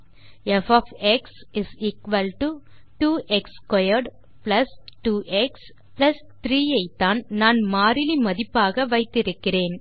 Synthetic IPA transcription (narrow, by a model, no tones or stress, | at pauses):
ɛfɔːfɛksɪsiːkʋɐlʈuʈuːʔɛkskɔjɐɾɖ | plɐsʈuːʔɛks | plɐs | t̪ɾiːjɐɪt̪ːaːnnaːnmaːɾɪlimɐðɪpːaːɣɐʋɐɪt̪ːɪɾɯkːɪreːn